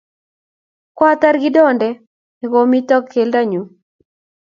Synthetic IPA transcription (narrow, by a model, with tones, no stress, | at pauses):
kwa˦t̪a˦ɾɡɪ˦dɔ˦ndɛ˦ | ɛ˨ɡo˨mi˦tɔ˦kʰːe˨lda˦ɲo˨